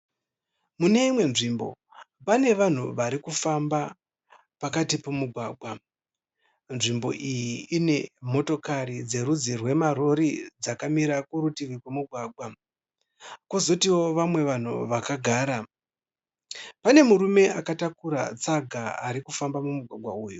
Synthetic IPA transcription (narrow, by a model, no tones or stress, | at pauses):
mune̞imwe̞nʐimbo̞̰ | pane̞ʋan̤uʋaɾikufamba | pakatipomuɡʱwaːɡʱwa | nʐimbo̞ʔijiine̞mo̞to̞kaɾid͡ze̞ɾud͡zirwe̞maɾo̞ɾid͡zakamiɾakuɾutiʋikwemuɡʱwaːɡʱwa | kozo̞tiwo̞ʋamwe̞ʋan̤ṵʋakaɡʱaːɾa | pane̞muɾume̞akatakuɾa̰t͡saɡʱaa̰ɾikufambamumuɡʱwaɡʱwa̰uːju